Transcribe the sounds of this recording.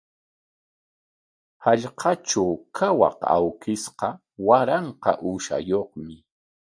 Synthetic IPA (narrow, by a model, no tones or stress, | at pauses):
haʎqʰɑt͡ʃawkʰawɑ̰qa̰wkɪsqɑ | waɾɑɴqɑ̰ʔʊʃa̰joχmɪ